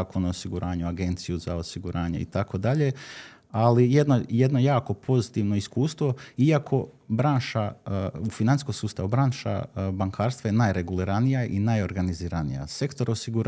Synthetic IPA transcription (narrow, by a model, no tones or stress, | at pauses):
konoosiɡuɾʔaːɲuaɡe̞nt̪sijuzaosiɡuɾʔaːɲeḭt̪ako̞d̪aʎe̞ | alijed̪nojed̪no̞jaːko̞pʰo̞zit̪iʋno̞iskuːst̪ʋo̞iakʰo̞ | bɾaːnʃaufinaniskosuːst̪aʋubɾaːnʃa̰baŋkʰaːɾst̪ʋajenajɾe̞ɡuliɾanijaʔinajo̞ɾɡaniziːɾanḭja̰se̞kt̪o̞ɾosiɡuɾ